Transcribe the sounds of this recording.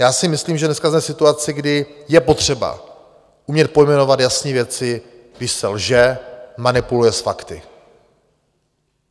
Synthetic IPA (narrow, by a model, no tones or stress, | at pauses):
jaːsɪmɪsliːmʒɛdnɛskazmɛsɪt̪uat͡sɪɡdɪjɛpo̞t̪r̝̥ɛba̰ | ʔumɲɛt̪̚po̞jmɛno̞vat̪jasɲiːvjɛt͡sɪ | ɡdɪʃsɛlʒɛmanɪpulujɛsfakt̪ɪ